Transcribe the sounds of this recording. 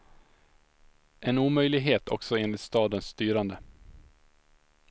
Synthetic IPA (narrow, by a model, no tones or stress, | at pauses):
ɛnuːmœjlɪɡɦeːt̪ʰɔ̰ksɔeːnlɪt̪st̪ɑːd̪ənst̪yːɾand̪ə